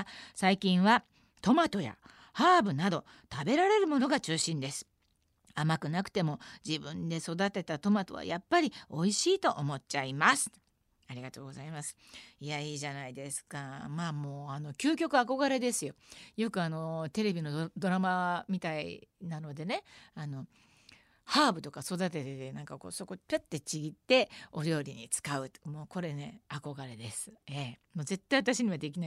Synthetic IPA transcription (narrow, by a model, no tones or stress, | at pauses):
saikʲĩɰ̃βa | t̪o̞mat̪o̞ja̰ | haːbɯ̟nad̪o̞ | t̪abe̞ɾaɾe̞ɾɯ̟mo̞no̞ɡat͡ɕɨːɕĩnd̪e̞sɨ̥ | amakɯ̟nakɯ̟̥t̪e̞mo̞d͡ʑibɯ̟̃nd̪e̞so̞d̪at̪e̞t̪at̪o̞mat̪o̞βa̰japːaɾʲio̞iɕiːt̪o̞ʔomo̞t͡ɕːaimasɨ̥ | aɾʲiɡat̪o̞ːɡo̞zaimasɨ̥ | ijaiːʑanaid̪e̞sɨ̥kamaːmo̞ːano̞kʲɨːkʲo̞kɯ̟ako̞ɡaɾe̞d̪e̞sɨjo̞jo̞kɯ̟ano̞t̪e̞ɾe̞bʲino̞d̪o̞ɾamamʲit̪aḭnano̞d̪e̞ne̞ano̞ | haːbɯ̟t̪o̞kaso̞d̪at̪̬e̞t̪et̪enãŋkako̞̰ːso̞ko̞pʲet̪ːet͡ɕiɡʲit̪ːe̞o̞ɾʲo̞ːɾʲiɲ̟it͡sɨ̥kaɯ̟t̪moːko̞ɾe̞ne̞ako̞ɡaɾe̞d̪e̞sɨ̥eːmoːze̞t̪ːaiβat̪aɕiɲ̟iβad̪e̞kʲina